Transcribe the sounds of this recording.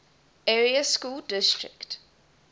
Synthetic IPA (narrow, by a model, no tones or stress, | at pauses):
ɛɹiəskuːldɪstɹɪ̰kt